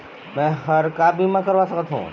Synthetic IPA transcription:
mɛ̃ːɦɐɾkaːbʱimãkəɾʋasəkət̪ɦṵ̃ː

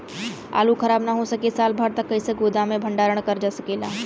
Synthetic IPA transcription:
a̰ːlukʰəɾaːbnaɦosəkesaːlbʱəɽt̪əkːəɪseɡoːd̪amẽbʱə̃ɳɖaːɾəɽ̃kəɾd͡ʒasə̥keːlaː

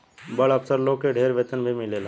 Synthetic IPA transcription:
bəɭəpsəɾlokeɖʱeːɾʋeːt̪ənbʱimɪlela

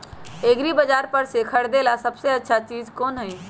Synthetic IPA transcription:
eɡɾibəd͡ʒaːɾpəɾsekʰəɽd̪elasəbseətːʃʰat͡ʃiːd͡ʒkoːnɦəi

